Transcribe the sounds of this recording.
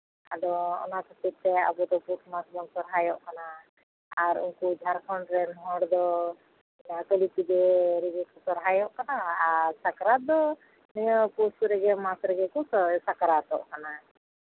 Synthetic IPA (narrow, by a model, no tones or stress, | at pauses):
a̰d̪ɔɔ̰nakət̪ip̚t̪ɛa̰bɔt̪ɔpusmasbɔnsɔɾɦajɔʔkanaː | ɾṵŋkud͡ʒʱaɾkʰɔɳɖɾɛnɔɦɔɽd̪ɔ | atəlip̪id̪ɛɾɛɡɛkɔsɔɾɦajɔʔkanaːɾsakɾat̪̚d̪ɔ | nɔjəpusɾɛɡɛmasɾɛɡɛkɔsakɾat̪ɔ̰ʔkana